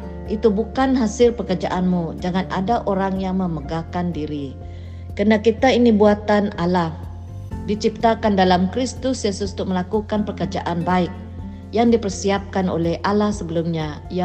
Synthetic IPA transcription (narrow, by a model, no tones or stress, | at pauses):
ʔit̪ubukanɦasɪlpərkərd͡ʒa̰ʔanmud͡ʒaŋana̰daʔoɾaŋjaŋməməɡakandiɾi | kənakit̪ainibuat̪analah | dit͡ʃip̚t̪akandalamkɾist̪ʊsjesust̪ʊməlakukanpərkərd͡ʒaʔanbaɪk̚ | jaŋdipərsiap̚kano̰lɛhʔalahsəbəlumɲa | ja